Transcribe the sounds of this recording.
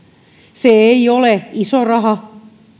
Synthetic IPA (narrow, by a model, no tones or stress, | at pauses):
seeioleisorɑhɑ